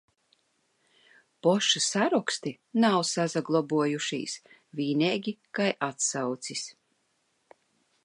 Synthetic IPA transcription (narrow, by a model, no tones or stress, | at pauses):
pɔʃasaɾɔkst̪i | nawsazaɡlˠɔbuɔjuʃḭːs | viːnɛːɡʲikajʔat̪sawt̪sis